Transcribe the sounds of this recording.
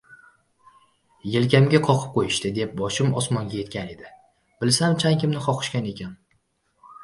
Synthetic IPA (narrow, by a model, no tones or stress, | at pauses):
jelkʲamɡʲaqʰɒqʰɨ̥p̚qʰojɪʃt̪ɪd̪e̞p̚bɒʃɪmɒsmɒŋɡʲaje̞t̪̚kʲʰane̞d̪ɪ | bɪlsamt͡ʃʰaŋkʲɪmnɪχɒqʰɨ̥ʃkʲane̞kʲʰan